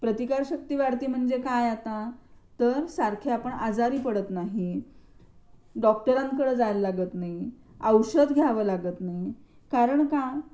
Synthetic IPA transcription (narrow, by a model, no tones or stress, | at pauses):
pɾət̪ikaɾɕək̚t̪iːʋaɾt̪iːm̤əɳd͡zekajat̪at̪əɾsaɾkʰeapəɳad͡zaɾiːpəɽət̪naɦi | ɖɔk̚ʈəɾãŋkəɽəːd͡zajllaɡət̪naɦi | əwɕəd̪ɡʱjaʋəːlaɡət̪naɦi | kaɾəɳka